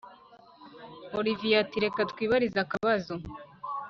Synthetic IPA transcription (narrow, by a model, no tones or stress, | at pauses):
olivijatiɾe̞katwiːβaɾizakaβazo